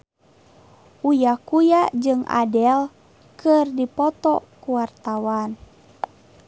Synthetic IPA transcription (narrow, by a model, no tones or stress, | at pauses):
ʔujakujaʔd͡ʒɨŋa̰dɛl | kərdipɔt̪ɔkuwart̪awan